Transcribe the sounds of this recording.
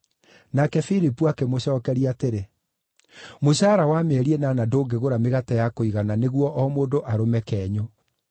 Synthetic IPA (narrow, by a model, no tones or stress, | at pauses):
nakɛfilipuakemoɕɔːkɛɾiateɾe | moɕaɾawamɛɾiɛnanadoːɡeɣoɾameɣatajakoiɣananeɣwɔʔɔmoːndoʔaɾomɛkɛːɲo